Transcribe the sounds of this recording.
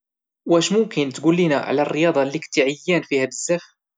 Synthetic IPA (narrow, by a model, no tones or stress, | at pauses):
wæʃmʊmkɪnt̪ɡulːinaʕa̰lærːəjɑːd̪ˤɑlːikt̪iʕɪjːæːnfihæb̪əzːæx